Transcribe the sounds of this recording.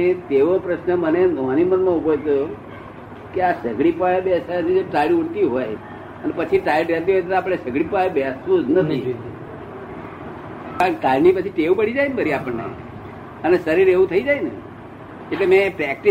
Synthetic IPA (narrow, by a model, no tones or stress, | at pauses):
et̪eʋopɾəʃnəməned̪ʱoanimənmãubojt̪o | keasəɡɽipaebɛsat͡ʃid͡ʒoʈaɭiuɽt̪iɦoj | ənepət͡ʃʰiʈaliʈɾelt̪iɦojt̪ʰt̪aːp̬əɽ̃esəɡɽipaebɛsʋũd͡ʒnət̪ʰi | kaɳʈalnipət͡ʃʰiʈeʋpəɽid͡ʒajnbʱəɾiapəɳːḛ | əneʃəɾiɾeʋũt̪ʰəid͡ʒajnḛ | eʈlemẽpɾɛk̚ʈi